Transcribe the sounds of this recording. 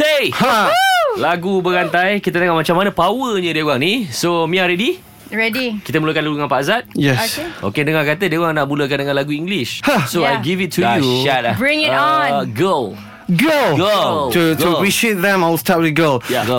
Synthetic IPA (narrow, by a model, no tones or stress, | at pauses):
sehalaɡubəɾant̪ajkit̪ənəŋaʔmat͡ʃamːanəpawəɲədawaŋnisomĩaɾɛdi | ɹɛdikit̪əmuləkanluuŋãnpaazat̪̚jɛokeʔo̰kedəŋakat̪ədawaŋnaʔmuləkandəŋãnlaɡuiŋɡliʃhasoaajɡivitʰːuajuʃat̚bɹĩŋɪɡəl | ɡolɡəltutuəpɹiʃiet̪̚ðɛ̃malstat̚wɪðɡəljaɡo